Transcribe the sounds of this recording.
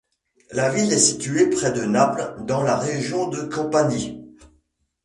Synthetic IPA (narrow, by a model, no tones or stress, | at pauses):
lavilɛsit̪yepχɛd̪ənapld̪ɑ̃laʁeʒjɔ̃d̪əkɔ̃paɲi